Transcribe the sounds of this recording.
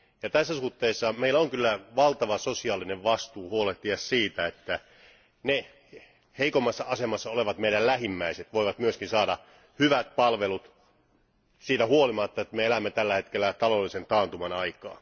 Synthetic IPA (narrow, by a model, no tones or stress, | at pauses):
jɑt̪æsːæsuht̪ːeisːɑmeilːæoŋkylːæʋɑlt̪ɑʋɑsosiɑːlːineʋʋɑst̪uːhuoleht̪iɑssiːt̪æet̪ːæ | ne | heikomːɑsːɑɑsemɑsːɑoleʋɑt̪meiɾællæhimːæiset̪ʋoiʋɑt̪myøskinsɑːdɑ | hyʋæt̪̚pɑlʋelut̪ | siːt̪æhuolimɑt̪ːɑet̪meelæmːet̪ælːæhet̪kelːæt̪ɑlolːisent̪ɑːnt̪umɑnɑikɑ̰ː